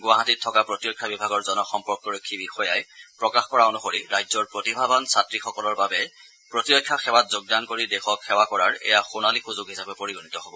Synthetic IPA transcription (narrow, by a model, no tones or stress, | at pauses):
ɡʊwaɦatitʰːɔkapɹotiɹɔkʰːabibʱaɡɔɹzɔnɔxɔmpɔɹkɔɹokʰːibixɔjajpɹɔkaxkɔɹaonuxoɹiɹajzɔɹpɹotibʱabansatɹixɔkɔlɔɹbabɛ | pɹotiɹokʰːjaxɛwat̚zoɡ̚dankoɹidɛxɔkxɛwakɔɹaɹɛ̰jaxunalixuzʊɡɦisapɛpoɹiɡonitɔɦobɔ